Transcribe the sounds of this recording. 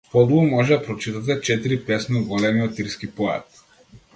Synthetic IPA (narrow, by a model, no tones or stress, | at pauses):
pɔlˠumɔʒɛd̪apɾɔt͡ʃit̪at̪ɛt͡ʃɛt̪iɾipɛsniɡɔlɛmiɔt̪iɾskipɔɛ̰a̰t̪